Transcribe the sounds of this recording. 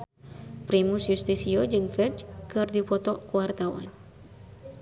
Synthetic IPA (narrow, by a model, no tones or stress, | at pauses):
pɾimusjust̪isiod͡ʒɨŋfɛt͡ʃkɨrdipɔt̪ɔʔkuwart̪awa̰n